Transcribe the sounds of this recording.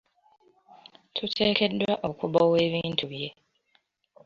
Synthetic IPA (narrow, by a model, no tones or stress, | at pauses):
tʰutʰeːkedwaʔokubaweːβintʰuβije